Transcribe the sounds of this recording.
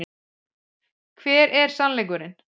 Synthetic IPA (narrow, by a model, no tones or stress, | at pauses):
kʰvɛːɾʔɛɾ̥sanlɛjk̬ʏɾɪn